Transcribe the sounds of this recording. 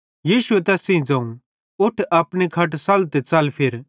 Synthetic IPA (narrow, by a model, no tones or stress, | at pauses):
jiːʃʊɛt̪ɛːsẽĩd͡zɐ̃ːũ | ʊʈʰɐpɽ̃ikʰɐʈsɐlt̪et͡sɐlpʰeɾ